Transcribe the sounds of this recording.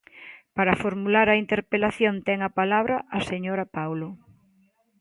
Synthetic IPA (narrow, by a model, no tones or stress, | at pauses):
paɾɐfoɾmulaɾɐint̪eɾpelaθjont̪ɛŋɐpalaβ̞ɾɐʔːseɲoɾɐpawlo